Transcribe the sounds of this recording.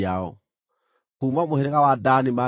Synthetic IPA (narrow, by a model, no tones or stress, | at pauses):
aɔ̰ | kumamohɛɾekawadanima